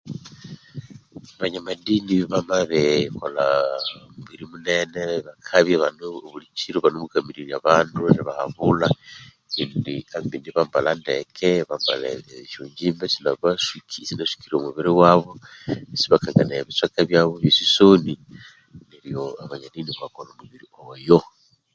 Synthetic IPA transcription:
aβaɲamadiniβamaβekolamuβiɾimune̞neβakʰaβjaβanuβulit͡ʃiɾuβanomukamiɾiɾiaβaːnduiβahaβula | indiambindiβambalandekʰeβamba̰lḛʃuːɲɟiːmbesinaβasikʰisinasi̥kiɾomuβiɾiwaβo̞esiβakaŋɡaneβit͡swakaβjaβoβisisoni | neɾijoaβaɲaniniβakolomuβiɾiojo

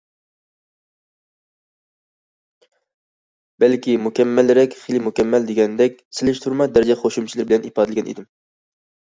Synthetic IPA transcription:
b̥ɛlkʲʰimukʲɛmːɛlːɾɛkʲχelɪmukʲɛmːɛld̪eɡʲɛnd̪ɛk̚ʲsɪlɪʃt̪ʰuɾmɑd̪æɾɪd͡ʒɛχoʃumt͡ʃʰilɪɾbɪlɛnipɑːd̪ɪlɪɡʲɛnʔḛd̪ɪm

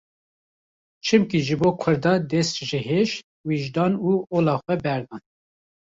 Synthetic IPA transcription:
t͡ʃʰɨmkiʒɨboːkʰʊɾd̪ɑːd̪ɛsʒɪɦeʃ | wiʒd̪ɑːnuːoːlɑːxʷɛbɛɾd̪ɑːn

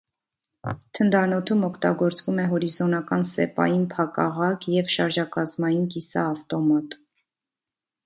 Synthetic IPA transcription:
t̪ʰənd̪ɑnɔt̪ʰumɔkʰt̪ɑ̰ɡɔɾt͡svumɛɦɔɾizɔnɑkɑnsɛ̰pɑ̰jinpʰɑkɑ̰ʁɑkʰjɛvʃɑɾʒɑkɑzmɑjinkisɑːft̪ɔmɑt̪

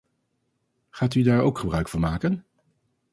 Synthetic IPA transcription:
χaːtydaːɹowkχəbrœɥkfʊːɹmaːkən

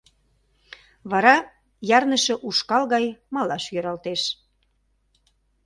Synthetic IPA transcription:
βɑɾɑ | jɑrnəʃɤ̆ʔuʃkɑlɣɑjmɑlɑʃjøɾɑlt̪eʃ

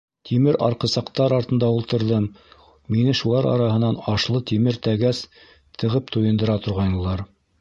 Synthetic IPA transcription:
t̪ʰimɘɾʔɑɾqɤ̆sɑqt̪ɑɾɑɾt̪ɤ̆nd̪ɑulˠt̪ɤ̆ɾðɤmː | inɘʃulˠɑɾɑ̰ɾɑhɤ̆nɑnɑʃlˠɤt̪imɘɾt̪æɡæs | t̪ʰɤ̆ʁɤpt̪ujɤ̆nd̪ɤ̆ɾɑt̪ŏɾʁɑjnɤ̆lˠɑɾ

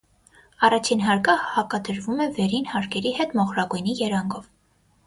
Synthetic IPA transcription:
ɑrɑt͡ʃʰinɦɑɾkəhɑkɑd̪əɾvumɛvɛɾinhɑɾkʰɛɾihɛt̪mɔχɾɑɡujnijɛɾɑŋɡɔv

